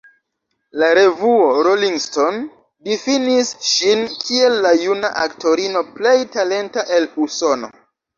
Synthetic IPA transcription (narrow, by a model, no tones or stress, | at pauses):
laɾe̞vuoɾoliŋɡsto̞n | difinisʃinkʰie̞lːajuna̰ʔakto̞ɾino̞ple̞jtale̞ntaʔe̞luso̞no̞̰